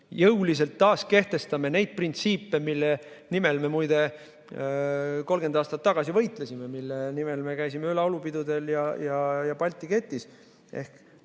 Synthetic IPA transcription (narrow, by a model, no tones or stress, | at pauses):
jɤwlis̬e̞lt̪ːɑːske̞ht̪e̞st̪ɑme̞ne̞jd̪̥̚print̪siːpːˑe̞milːe | nimelme̞mujd̪e̞ | ko̞lɡend̪ɑːst̪ɑt̪ːɑɡ̥ɑsivɤjt̪lesime̞milːenimelme̞kæjsimeylɑolupid̪ud̪̥e̞ljɑjɑjɑpɑlʲt̪ːˑike̞t̪ːˑis | ʔe̞̰hk